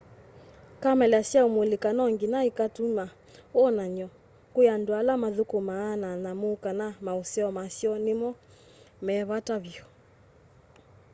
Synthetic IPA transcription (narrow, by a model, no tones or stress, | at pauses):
kamɛlasjaomolekanɔŋɡinaikatuma | ɔnaɲɔ | kojandwalamaðukomaːnanamokanamaosɛɔmasjɔnemɔ | mɛβataβiɔ